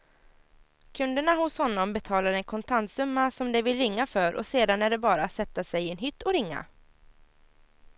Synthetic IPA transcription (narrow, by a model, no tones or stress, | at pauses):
kʰɵnd̪əɳahʊshɔnːɔmbɛt̪ʰɑːlaɾɛnkʰɔnt̪ʰant̪sɵmːasɔmd̪ɛvɪlɾɪŋːafœɾʔɔ̰seːd̪anæɖɛbɑːɾaːt̪sɛt̪ːasɛjɪɛnɦʏt̪ːɔɾɪŋːa̰